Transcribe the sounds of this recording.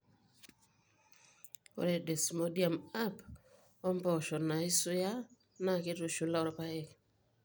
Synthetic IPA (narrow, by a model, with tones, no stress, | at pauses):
o̰˨ɾɛ˦˨de˨smo˦dia˨ma˦p | ɔ˦mpɔ˨ʃɔ˨na˨i˦su˦ja˦ | na˨kɪ˦tu˨ʃu˨˦la˦ɔ˦ɾɔ˦pa˦ɛ˨k